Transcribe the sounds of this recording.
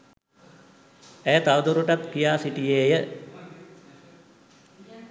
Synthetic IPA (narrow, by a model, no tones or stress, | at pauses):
æjət̪aʋd̪uɾuʈat̪kijaːsiʈijeːjə